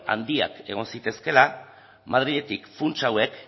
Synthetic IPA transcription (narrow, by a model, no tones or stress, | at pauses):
a̰nd̪ia̰ke̞̰ɣ̞o̞nsit̪e̞ske̞la | mað̞ɾiʎe̞t̪ikfunt͡ʃawe̞k